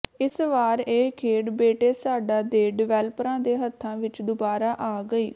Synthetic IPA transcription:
ɪsʋaːɾeːkʰeːɖbeːʈeːsaːɖaːd̪eːɖɪʋɛːləpɾãːd̪eːɦət̪ʰːãːʋɪt͡ʃd̪ʊbaːɾaːʔaːɡəiː

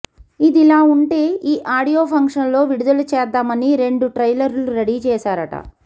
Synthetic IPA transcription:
id̪ilaːuɳʈe̞ːiːʔaːɽijo̞ːpʰɐŋkʂɐnlo̞ːʋiɽud̪ɐlut͡ʃɛːd̪ːaːmɐniɾe̞ɳɖuʈɾɐjlɐɾluɾeɽiːt͡ʃɛːʃaːɾɐʈɐ̰

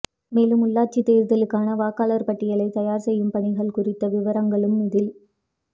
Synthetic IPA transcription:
meːlɯmʊlːaːt͡ʃːit̪ːeːɾðɐlɯkːaːnɐʋaːkːaːlɐɾpɐʈːɪjɐlɐɪt̪ɐjaːɾsɛjːɯmpɐɳɪɣɐɭkʊrɪt̪ːɐʋɪʋɐɾɐŋɡɐɭɯmɪðɪl

